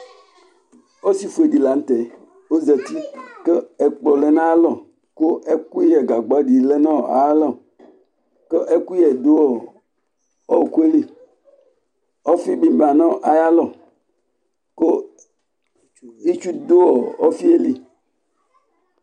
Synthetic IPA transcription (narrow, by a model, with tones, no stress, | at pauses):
o˦si˨fu˨e˨ɖi˨la˨n̩˦t̪e˨ | o˦zɛ˨t̪i˦ke˦e˨k͡pɔ˨le˨nã˦lɔ˨ | ko˦ʔe˦ku˦jɛ˨ɡa˨ɡ͡ba˨ɖi˨le˦nã˦˨a̰˨˦lɔ˦˨ | ke˦ʔe˦ku˦ɛ˨d̪o˦wɔ˨ | ɔ˦˨ku˦e˦li˦ | ɔ˦fi˦bi˦ba˨nɔ̃˦˨ʔa˨ja˦lɔ˦˨ | ko˦ | i˦t͡ʃu˦d̪o˦wɔ˨ɔ˦fi˦e˦li˦